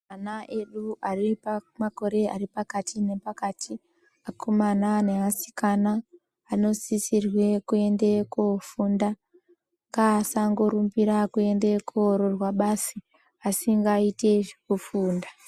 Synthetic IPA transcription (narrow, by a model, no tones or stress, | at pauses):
manaʔe̞ɗuaripamako̞ɾe̞a̰ɾipakatʰine̞pakatʰi | akʰomanane̞asi̥kanaː | no̞sisirwe̞kue̞nde̞kofunda | ŋɡaːsaŋɡo̞ɾumbiɾakue̞nde̞kuɾorwaɓasi | asiŋɡaite̞ekufuːnda